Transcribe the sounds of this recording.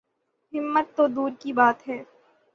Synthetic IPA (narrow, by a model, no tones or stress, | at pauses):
ɦɪmːət̪ːod̪uːɾkibaːt̪ɦɛː